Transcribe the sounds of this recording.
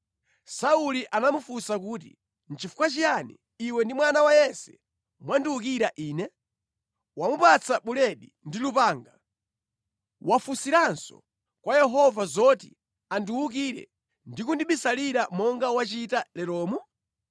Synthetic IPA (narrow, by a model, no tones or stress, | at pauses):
sauliʔanamufusakuːtḭ | n̩t͡ʃifu̥kwat͡ʃijanḭː | wɛndimwanawajɛsɛ | mwandiwukiɾaʔiːnɛ | wamupat͡saɓulɛɗi | ndilupaːŋɡa | wʔafusiɾansɔ̰ | kwajɛɦɔvazɔtḭ | andiwuk̬iɾɛ̰ | ndikundiɓisaliɾamɔŋɡawat͡ʃitalɛɾɔːmu